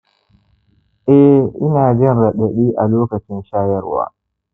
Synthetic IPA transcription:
ʔɛ˦ʔɪ˦naː˨d͡ʒɛ˦˨nɽɐ˨ɗɐ˨ɗiː˦ʔa˨loː˦kɐ˨t͡ʃɪ˦nʃaː˦jɐ˦rwa̰ː˨

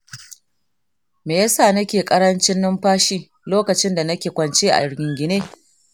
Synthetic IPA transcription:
meː˨ja˦saː˦˨nɐ˦kʲeː˨kʼɐ˦ɽɐ˦nt͡ʃɪ˦nːɪ˦mɸaː˦ʃiː˦ | loː˦kɐ˨t͡ʃɪ˦nda˨nɐ˦kʲeː˨kʷɐ˨nt͡ʃeː˦ʔa̰˨jɪ˨ɾɡʲɪ˨ŋɡʲɪ˨neː˦

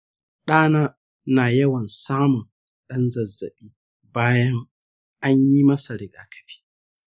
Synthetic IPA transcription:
ɗaː˦naː˦ | naː˨jɐ˦wɐ˨nsaː˦mʊ˨n | ɗɐ˦nzɐ˨zːɐ̰˨ɓiː˦ | baː˦jɐ˦ŋ | ʔa˦ɲji˦mɐ˦sa˨ɽɪ˨ɡaː˦kɐ̥˨ɸi̥ː˦

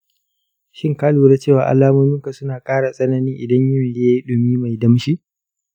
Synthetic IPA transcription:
ʃɪ˦ŋkaː˦luː˨ɾaː˦t͡ʃeː˦˨waː˨ʔa̰˨laː˦moː˦mɪ˦ŋka˨sʊ˦naː˨kʼaː˦ɽa˨sʼɐ˦nɐ˦nɪ˦ʔɪ˨dɐ˦ɲjʊ˦n˨le˦a˦i˦ɗʊ˨miː˦ma˨jdɐ˦mʃi˦ʔ

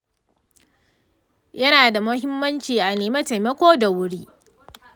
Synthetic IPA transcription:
jɐ˦naː˨da˨mʊ˦hɪ˦mːɐ˦nt͡ʃiː˨ʔa˨neː˨mɐ˦te˨jmɐ˦kʷoː˦da˨wʊ˦ɽiː˦ʔ

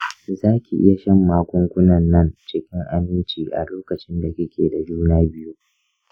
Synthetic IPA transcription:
zaː˦kʲi˨ʔɪ̰˦ja˨ʃɐ˦mːaː˦kʷʼʊ˦ŋkʷʊ˦nɐ˨nːɐ˦nt͡ʃɪ˦kʲɪ˦ŋʔa˦mːɪ˦nt͡ʃiː˨ʔa̰˨loː˦kɐ˨t͡ʃɪ˦nda˨kʲɪ˦kʲʰeː˨da˨d͡ʒuː˦naː˦bɪ˦ju˦

